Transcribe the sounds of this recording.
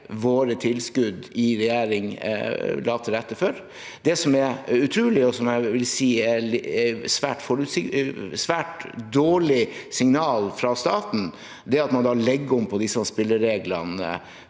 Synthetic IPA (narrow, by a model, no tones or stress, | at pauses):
ʋoːɾət̪ʰɪlskʉd̪ɪɾɛjeːɾɪŋ | lɑːt̪ʰəɾɛt̪ːəføɾ | d̪ɛsɔmɛɾʉt̪ʰɾʉːlɪɔsɔmjæɪʋɪlsiːæ | sʋæːʈfɔɾʉt̪sɪsʋæːʈd̪oːɭɪsɪŋnɑːlfɾɑst̪ɑːt̪n̩ | d̪ɛɾɑt̪mɑnd̪ɑːlɛɡːəɔmpʰɔd̪ɪsːəɑspɪlːəɾːeːɡlənə̰